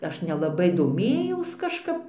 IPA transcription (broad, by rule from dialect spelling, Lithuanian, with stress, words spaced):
ˈɐʃ nʲɛlˠɐˈbɐɪ doːˈmʲeːjɛʊs kɐʃˈkɐp